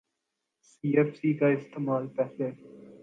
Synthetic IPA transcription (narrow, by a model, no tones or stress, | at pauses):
siːɛːfsiːkaɪst̪eːmaːlpɛɦle